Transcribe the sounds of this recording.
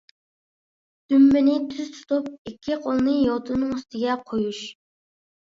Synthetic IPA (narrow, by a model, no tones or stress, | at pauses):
d̪̥ymːɪnɪt̪ʰyz̥t̪ʰu̥t̪ʰup̚ikʲʰːiqʰolˠnɨjɑt̪ʰunɨŋyst̪ʰɪɡʲɛqʰojuʃ